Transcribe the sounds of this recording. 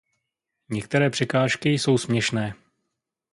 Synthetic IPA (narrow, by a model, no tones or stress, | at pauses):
ɲɛkt̪ɛɾɛːpr̝̥ɛkaːʃkɪjso̞wsmɲɛʃnɛː